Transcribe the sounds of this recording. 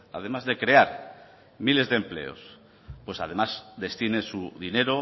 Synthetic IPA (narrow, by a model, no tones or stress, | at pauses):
a̰ð̞e̞mazðe̞kɾe̞aɾ | mile̞zðemple̞̰o̞̰s | pwe̞sað̞e̞mazd̪e̞st̪inesuðine̞ɾo